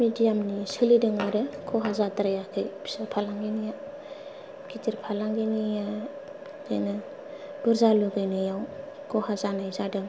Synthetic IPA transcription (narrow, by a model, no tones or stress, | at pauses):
midijamnisɯlidɯŋaɾɯkʰɔɦazatɾajakʰɯjbʰi̥sapʰalaŋɡinija | ɡitiɾpʰalaŋɡinija | d͡ʒa̰jnɯ | b̥ɯɾzaluɡɯjnɯjaw | kʰɔhazanajzadɯŋ